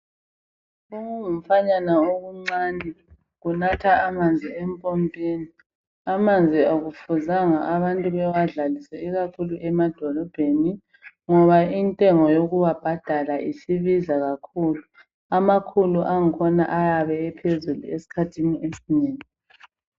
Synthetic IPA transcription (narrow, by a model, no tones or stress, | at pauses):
uŋuŋum̩faɲanaoɣuŋ͡ǀani | ɣunatʰaːmand͡zʱiempʼompʼiːni | amand͡zʱioɣufuzaŋaʔaβantʼuβɛwaɮalisɛiɣakʰuluʔɛmad̥ʱɔlɔb̥ʱeni | ŋɔβaintʼɛŋɔjoɣuwab̥ʱad̥ʱalaʔisiβizaɣakʰuːlu | amakʰuluʔaŋ̩kʰɔna̰ʔajaβɛɛpʰezulṵesi̥kʰatʰiniesiɲeːŋi